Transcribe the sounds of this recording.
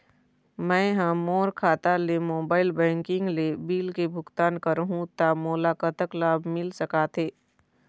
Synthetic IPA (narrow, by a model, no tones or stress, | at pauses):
mɛ̃ːɦãmoːɾkʰaːt̪alemoːbaːɪlbɛ̃ːŋkɪ̃ŋɡlebiːlkebʱʊɡt̪aːnkəɾɦũt̪amoːlaːkət̪əklaːbʱmɪlsɐkaːt̪ʰeː